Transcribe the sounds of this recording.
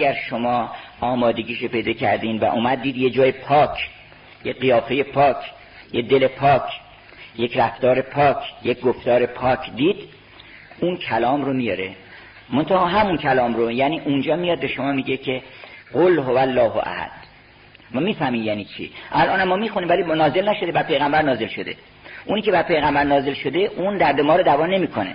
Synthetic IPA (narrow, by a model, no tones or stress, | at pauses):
æɡæɾʃomɒːɒːmɒːd̪e̞ɟiːʃope̞jd̪ɒːcʰæɾd̪iːnvæ̰ʔuːmæd̪ːiːd̪jed͡ʒɒːjepʰɒːcʰ | jeɢijɒːfe̞jepʰɒːcʰ | jed̪e̞le̞pʰɒːcʰ | je̞cɾæft̪ɒːɾe̞pʰɒːkʰjec̚ɡoft̪ɒːɾe̞pʰɒːkʰd̪iːd̪̥ | uncʰælɒːmɾomijɒɾe | mont̪ʰæhɒːɦæmunkʰælɒːmɾojæniːʔund͡ʒɒːmijɒd̪̚beʃomɒːmiɟecʰe̞ɢolɦovælːɒːɦo̰ʔæ̰hæ̰d̪̥ | mɒmiːfæmiːjæːniːt͡ʃʰḭʔælʔɒːnæmːɒːmixunimvæliːnɒːze̞lnæʃod̪ebæɾpʰe̞jɣæmbæɾnɒːze̞lʃo̞d̪e̞̰ | ʔuːniːceæɾpʰe̞jɣæmbæɾnɒːze̞lʃo̞d̪e̞ʔuːnd̪æɾd̪emɒːɾod̪ævɒːne̞miːkʰonḛ